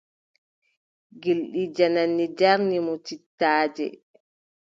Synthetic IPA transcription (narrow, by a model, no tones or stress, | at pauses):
ɡilɗid͡ʒananːid͡ʒaɾnimɔtitːaːd͡ʒɛ̰